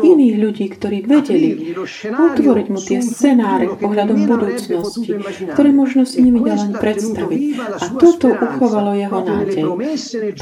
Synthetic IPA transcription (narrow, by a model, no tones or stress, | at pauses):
ʔiniːɣʎuɟiːkt̪ɔɾiːʋɛɟɛliɔt̪ʋɔɾiɟmut̪ɪɛst͡sɛnaːɾɛpɔɦʎad̪ɔmbud̪uːt͡snɔscikt̪ɔɾɛːmʊɔʒnɔsiɲimid̪alɛnpɾɛt̪st̪aʋicat̪ɔt̪ɔʔuxɔʋalɔjɛɦɔnaːɟɛj